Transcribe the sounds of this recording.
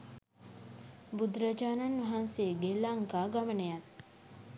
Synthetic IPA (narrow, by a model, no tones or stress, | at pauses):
bud̪ɾad͡ʒaːnanʋɐɦanseɡelaŋkaːɡamənəjat̪